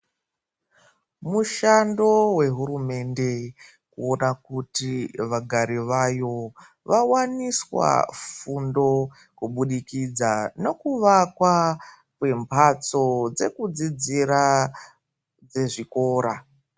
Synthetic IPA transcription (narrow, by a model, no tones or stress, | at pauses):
muʃando̞we̞ɦuɾume̞nde̞ | kuonakutiʋaɡʱaɾiʋajo̞ | ʋawaniswa̰fundo̞ | kuɓuɗikid͡zane̞kuʋakwa | kwe̞mpʰat͡so̞d͡ze̞kud͡zid͡ziɾa | d͡ze̞ʐiko̞ːɾa